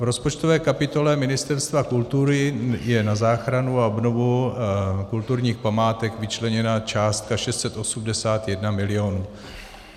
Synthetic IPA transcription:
vɾo̞spot͡ʃt̪ovɛːkapɪt̪o̞lɛmɪnɪst̪ɛɾst̪vakult̪uɾɪjɛnazaːxɾanuaobno̞vu | kult̪uɾɲiːxpamaːt̪ɛkvɪt͡ʃlɛɲɛnat͡ʃaːst̪̚kaʃɛst̪sɛt̪ʔo̞sumdɛsaːt̪jɛdnamɪlɪo̞nuː

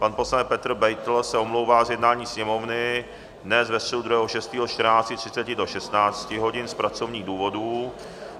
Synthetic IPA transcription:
panposlanɛpɛt̪r̩bɛjt̪l̩sɛomlo̞wvaːzjɛdnaːɲiːsɲɛmovnɪ | dnɛzvɛst̪r̥ɛdud̪ɾujɛɦoʃɛst̪iːɦot͡ʃt̪rnaːt͡scɪt̪r̝̥ɪ̥t͡sɛcɪdo̞ʃɛst̪naːt͡scɪɦo̞ɟɪnspɾat͡so̞vɲiːɣduːvo̞duː

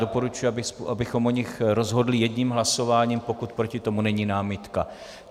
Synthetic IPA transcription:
do̞po̞ɾut͡ʃujubɪsʔabɪxo̞mʔoɲɪxɾo̞zɦo̞dlɪjɛdɲiːmɦlaso̞vaːɲiːmpo̞kut̪pɾo̞cɪt̪o̞munɛɲiːnaːmɪt̪ka

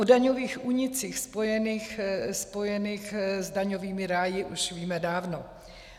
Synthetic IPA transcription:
odaɲoviːxʔuːɲɪt͡siːxspojɛniːxspo̞jɛniːxzdaɲoviːmɪɾaːjɪʔuʃviːmɛdaːvno

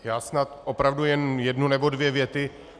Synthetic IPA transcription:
jaːsnat̪ʔopɾavdujɛnjɛdnunɛbo̞dvjɛvjɛt̪ɪ

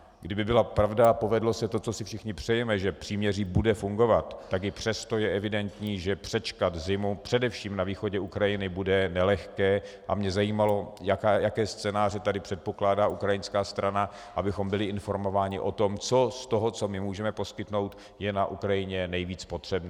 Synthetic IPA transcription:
ɡdɪbɪbɪlapɾavdaapo̞vɛdlo̞sɛt̪o̞t͡so̞sɪfʃɪxɲɪpr̥ɛjɛmɛʒɛpr̥iːmɲɛriːbudɛfuŋɡo̞vat̪ːakɪpr̝̥ɛst̪o̞jɛʔɛvɪdɛnt̪ɲiːʒɛpr̝̥ɛt͡ʃkat̪zɪmupr̝̥ɛdɛfʃiːmnaviːxo̞ɟɛukɾajɪnɪbudɛnɛlɛxkɛː | ʔa̰mɲɛzajiːmalo̞jakajakɛːst͡sɛːnaːr̝ɛt̪adɪpr̥ɛt̪̚poklaːdaːʔukɾajɪnskaːst̪ɾana | ʔabɪxo̞mbɪlɪʔɪnfo̞ɾmo̞vaːɲɪʔo̞t̪o̞mt͡so̞st̪o̞ɦo̞t͡so̞mɪmuːʒɛmɛpo̞skɪt̪no̞wt̪ | jɛnaʔukɾajɪɲɛnɛjviːt͡spo̞t̪r̝̥ɛbn

